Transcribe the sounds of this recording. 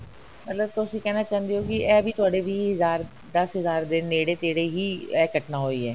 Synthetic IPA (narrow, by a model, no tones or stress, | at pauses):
mət̪ləbt̪ʊsĩːkɛːnaːt͡ʃaːənd̪iːɦoːkɪɛːəbʱiːt̪ʊaːɽeːʋiːɦəzaːɾ | d̪əsɦəzaːɾd̪eːneːɽeːt̪eːɽeːɦiːɛːkəʈnaːɦoːiːɛː